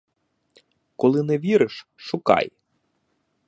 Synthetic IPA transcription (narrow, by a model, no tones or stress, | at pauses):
kɔlˠɪnɛʋʲiɾɪʃʃʊkɑ̰j